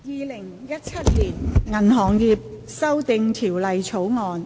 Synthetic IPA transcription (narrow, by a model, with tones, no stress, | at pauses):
jiː˨˧lɪ˨˩ŋjɐ˥t̚t͡sʰɐ˥t̚liː˨˩nŋɐ˨˩nɦɔː˨˩ŋjiː˧p̚ | sɐ˥wt̪ɪ˨˧ŋt̪ʰiː˨˩wlɐ˨jt͡ʃʰo˨˥wŋɔː˨˧n